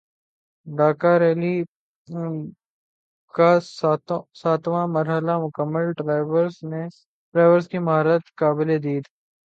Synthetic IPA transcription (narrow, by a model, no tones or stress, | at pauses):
ɖ̪aːkaɾɛːli | ka | saːt̪ʋãmɐɾɦəlamʊkəmːəlʈːʋɾzne | ʈɾaːʋəɾskimaɦɾət̪kaːbɪled̪iːt̪ʰː